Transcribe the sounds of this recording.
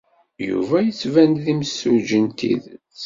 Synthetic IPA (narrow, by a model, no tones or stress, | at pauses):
jṵvæjət͡sːvænðimsːuʒənt̪ḭð